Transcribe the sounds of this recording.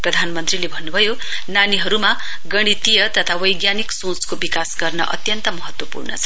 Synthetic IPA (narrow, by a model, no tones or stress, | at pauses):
prʌd̪ʱanmʌnt̪rilebʱʌnːubʱʌjo | naniɦʌɾuma | ɡʌɽ̃it̪ijʌt̪ʌt̪ʰawʌjɡjaniksõt͡skobikasɡʌrnʌ̰ʔʌ̰t̪jʌnt̪ʌmʌɦʌt̪wʌpṵrnʌ̰t͡sʰʌ̥